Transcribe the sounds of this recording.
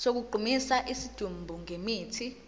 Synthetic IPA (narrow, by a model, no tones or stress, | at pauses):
sok̬uɡ͡ǃʱumisaʔisid̥ʱumbʱuŋemiːtʰi